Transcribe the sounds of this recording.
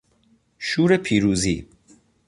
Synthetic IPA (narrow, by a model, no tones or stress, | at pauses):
ʃuːɾepʰiːɾuːzḭː